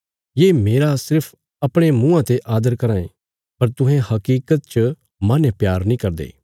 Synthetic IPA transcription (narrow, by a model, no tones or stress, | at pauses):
jeːmeːɾasɪɾpʰ | ɐpɽ̃emũːãt̪eʔaːd̪əɾkɐɾãːẽ | pɐɾt̪ʊ̃ɦẽhɐkiːkət̪̚t͡ʃə | mɐ̃nepjaːɾnĩkɐɾd̪ḛː